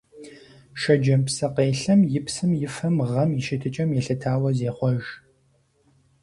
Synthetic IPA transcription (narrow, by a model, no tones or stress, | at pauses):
ʃɐd͡ʒɐmpsɐqeːɬɐmjɪpsɨmjɪfɐmʁɐmjɪʃɪtʰɨt͡ʃʼɐmjɛɬɐtʰaːwɐzeːχʷɔʒ